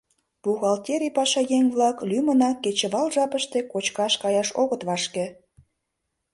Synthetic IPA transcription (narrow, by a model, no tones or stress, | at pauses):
puɣɑlt̪ʲeɾipɑʃɑjeŋʲβlɑklymə̆nɑkːet͡ɕĕβɑlʒɑpəʃt̪ekot͡ɕkɑʃkɑjɑʃoɣət̪βɑʃkĕ